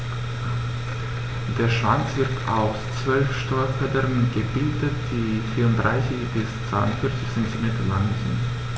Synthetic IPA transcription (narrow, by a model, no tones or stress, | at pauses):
d̥eːɐʃv̥a̰nt͡sv̥ɪɐtʰʔa̰ʊst͡sv̥œlfʃtɔʏɐfɛdəʁnɡəbɪldət̚d̥iːfiːɐʊntd̥ʁaɪsɪçb̥ɪst͡sv̥aɪʊ̰ntfɪɐt͡sɪçsɛntimeːtɐla̰ŋzɪ̰nt